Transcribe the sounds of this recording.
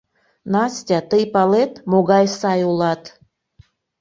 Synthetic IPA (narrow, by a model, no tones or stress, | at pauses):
nɑsʲtʲɑt̪əjpɑlet̪moɣɑjsɑjulˠɑt̪